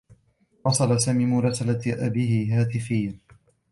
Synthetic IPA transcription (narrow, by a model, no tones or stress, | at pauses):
wɑsˤɑlasaːmiːmʊɾˤɑsalaʔabiːhɪɦaːt̪ɪfɪjːa